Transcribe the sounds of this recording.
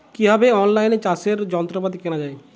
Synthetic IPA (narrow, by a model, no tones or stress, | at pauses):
kiɦabeɔnlajnet͡ʃaseɾd͡ʑɔnt̪ɾopat̪ikeñad͡ʑae